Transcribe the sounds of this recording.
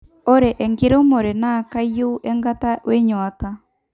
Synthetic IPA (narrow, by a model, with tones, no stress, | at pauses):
oɾe˨ʔɛ˨ŋɡe˦ɾe˦o˦mo˨ɾe˨naː˨kaio˦ʔɛ˦ŋɡatawe˦ɲwata